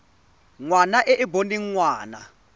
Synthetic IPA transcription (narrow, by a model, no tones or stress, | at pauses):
ŋwanaʔɛʔibondiŋwaːna